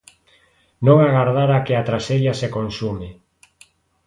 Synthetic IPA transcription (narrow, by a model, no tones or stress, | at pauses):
nõŋaɣaɾðaɾakeat̪ɾaseʎasekonsumɪ